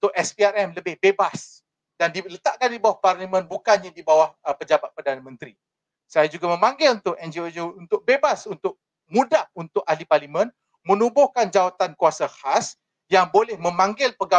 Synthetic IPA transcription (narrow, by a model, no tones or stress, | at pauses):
t̪ʊkɛspiaɾɛmləbɪhbebas | d̥andilət̪aʔkandibawahparlimə̃nbukanɲadibawahpəd͡ʒabat̪̚pərdanamə̃nt̪ɾi | sajad͡ʒuɡamə̃mãŋɡɪlunt̪ʊkɛnd͡ʒiod͡ʒount̪ʊk̚bebasunt̪ʊk̚ | mũdahunt̪ʊk̚ahliparlimə̃n | mə̃nubʊhkand͡ʒawat̪ankuasahas | jaŋbolɛhmə̃mãŋɡɪlpəɡa